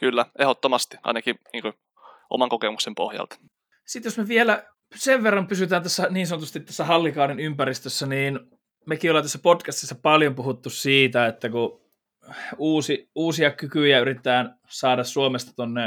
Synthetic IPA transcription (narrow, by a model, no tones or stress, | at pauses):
kylːæehot̪ːomɑst̪i̥ɑ̰inɑkiniːŋkø | ʔo̰mɑŋkokemuksempo̰hjɑ̰lt̪ɑ̥ | sit̪josmeʋielæ | seʋʋerːɑmpysyt̪æːnt̪æsːæniːnsɑnot̪ust̪it̪ːæsːæhɑlːikɑːninympæɾist̪øsːæniːn | mekiolːɑnt̪æsːæpotkæst̪isːæpɑljompuhut̪ːussiːt̪æet̪ːæku | uːsiuːsiɑkykyjæyɾit̪et̪æːn | sɑːdɑssuomest̪ɑ̥t̪onːe